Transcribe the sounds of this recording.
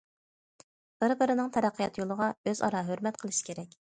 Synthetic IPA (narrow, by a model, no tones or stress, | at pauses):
b̥ɪɾbɪɾɪnɪŋt̪ʰɛɾæqʰːijɑt̪jolˠəʁɑøzɑ̰ɾɑːɦøɾmɛt̪qʰəlˠɨʃi̥kʲʰeɾɛkʲ